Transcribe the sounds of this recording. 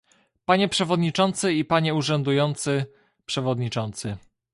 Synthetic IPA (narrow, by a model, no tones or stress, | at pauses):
paɲɛpʂɛvɔd̪ɲit͡ʂɔnt̪sɘipaɲɛuʐɛnd̪ujɔnt̪sɘ | pʂɛvɔd̪ɲit͡ʂɔnt̪sɘ